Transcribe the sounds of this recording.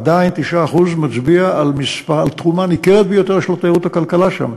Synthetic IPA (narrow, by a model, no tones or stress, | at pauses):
d̪aint̪iʃaːχuzmat͡sbiaʔalmispaʁalt̪χumanikeʁet̪̚bejo̞t̪eʁʃelot̪ajʁut̪akalkalaʃa̰m